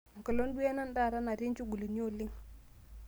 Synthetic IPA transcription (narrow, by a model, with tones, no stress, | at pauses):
ŋ̩˨kə˨lo˦n˦ɗu˦ɛ˦na˦n˦da˦˨ɾa˦na˨ɾi˦nt͡ʃu˦ɡu˨li˨ɲ˦o˦˨lɪ˦ŋ